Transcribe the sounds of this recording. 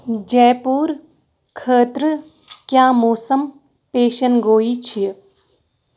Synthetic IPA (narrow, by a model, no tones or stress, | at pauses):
d͡ʒɛːpuːɾ | kʰəːt̪ɾə | kjaːmoːsəm | peːʃənɡoːit͡ʃʰi